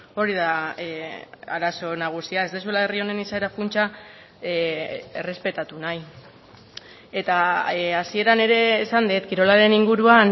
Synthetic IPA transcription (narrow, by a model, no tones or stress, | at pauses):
o̞ɾiða | aɾaso̞naɣ̞usiae̞zd̪es̬uelae̞rio̞ne̞nisaeɾakunt͡ʃa | e̞re̞spe̞t̪at̪unaj | e̞t̪aasie̞ɾane̞ɾe̞ːsand̪et̪kiɾo̞laɾe̞niŋɡuɾuan